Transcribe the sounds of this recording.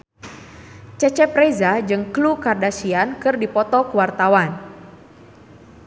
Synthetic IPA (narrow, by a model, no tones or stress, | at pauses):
t͡ʃɛt͡ʃɛpɾezad͡ʒɨŋklukardasiankɨrdipɔt̪ɔkəwart̪awan